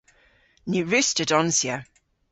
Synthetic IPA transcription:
nʉɹʉstədɔnsjə

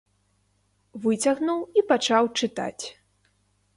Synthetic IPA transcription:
vɨt͡sʲaɣnuwipat͡ʂawt͡ʂɨt̪a̰t͡sʲ

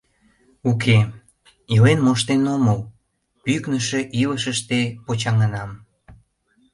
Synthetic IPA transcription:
ukʰe | ilenmoʃt̪enoməl | pyknəʃe̽ʔiləʃəʃt̪epot͡ɕɑŋənɑm

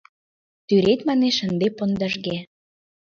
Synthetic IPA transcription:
t̪yɾet̪mɑneʃə̆nd̪epŏnd̪ə̆ʒɣe

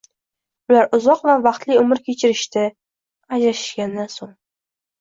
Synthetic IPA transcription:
ʊlaɾʊzɒqvavɑqt̪lɪʊmɪɾkʲet͡ʃʰɪɾɪʃt̪ʰa | ad͡ʒɾaʃɪ̥ʃɡʲand̪ansoŋ

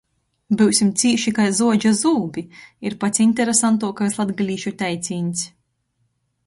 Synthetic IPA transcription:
bɨwsʲimt̪siːʃikajzuɔd͡ʒazuːbiiɾpat̪sinʲt̪ʲɛɾesant̪uɔkajslˠad̪ɡalʲiːʃut̪ʲæjt̪sʲiːnʲsʲ

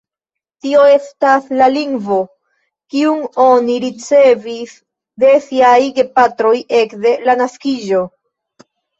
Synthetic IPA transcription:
tio̞e̞staslaliŋɡvo̞ | kiuŋo̞niɾit͡se̞vis | de̞siajɡe̞patɾo̞je̞kde̞lanaskiʒo̞

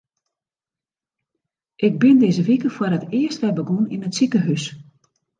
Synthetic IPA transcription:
ʔɪɡ̚bɪndeːzəʋikəfwərətɪəstʋɛbəɡunḭnətsikəɦys

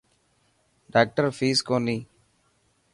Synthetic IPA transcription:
ɖaːk̚ʈɐɾfiːskoni

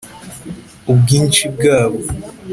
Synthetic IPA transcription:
ob̚ɡiːnt͡ʃib̚ɡaːβo

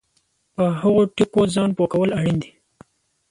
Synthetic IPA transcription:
pəɦaɣoʈikozɑnpokawəlaɽind̪i

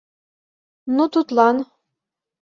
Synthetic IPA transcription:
nut̪ut̪lˠɑn

